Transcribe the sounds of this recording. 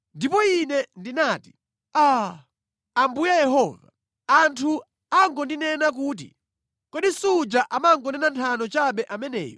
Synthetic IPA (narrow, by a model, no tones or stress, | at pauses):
ndipɔinɛndinaːti̥ | a | ambujajɛɦɔːva̰ | antʰu | aŋɡɔndinɛnak̬uːt̬ḭ | kwɛɗisud͡ʒaʔamaŋɡɔnɛnantʰanɔt͡ʃaɓɛʔamɛnɛ̰ːjɔ